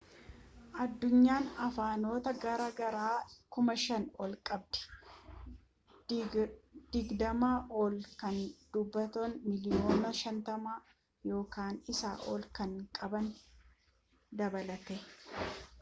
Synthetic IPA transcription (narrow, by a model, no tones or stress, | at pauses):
ʔɐd̪ːʊɲːaːnɐfaːno̞ːt̪ɐɡɐɾɐɡɐɾaːkʊmɐʃɐnɔlkʼɐb̚d̪ɛ̥ | d̪̥ɪɡd̪ɐmaːʔɔːlkɐnd̪̥ʊbːɐt̪oːnmɪlɪjo̞ːnɐʃɐnt̪ɐmaː | jo̞ːkaːnɪsa̰ːʔo̰ːlkɐŋkʼɐbɐn | d̪ɐbɐlɐt̪ɛ